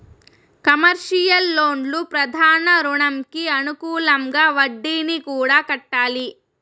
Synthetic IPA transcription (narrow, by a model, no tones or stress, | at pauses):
kɐmɐɾʂijɐlːoːɳɖlupɾɐd̪ʱaːnɐɾuɳɐmkiɐnukuːlɐmɡaːʋɐɖːiːnikuːɽaːkɐʈːaːli